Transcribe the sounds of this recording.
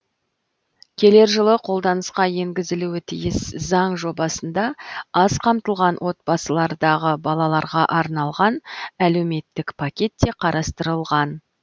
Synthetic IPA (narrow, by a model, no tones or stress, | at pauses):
kʲʰe̞le̞ɾʒəlˠəqʰo̞lˠd̪ɑnəsqɑje̞ŋɡʲɪzɪluwɪt̪ʰijɪszɑɴʒo̞bɑsənd̪ɑɑz̥qʰɑmt̪əlˠʁɑnwʔo̞t̪̚bɑsəlˠɑɾd̪ɑʁəbɑlˠɑlˠɑɾʁɑʔɑɾnɑlˠʁɑnæle̞wme̞t̪ːɪkpʰakʲe̞t̪ːe̞qʰɑɾɑst̪əɾəlˠʁɑn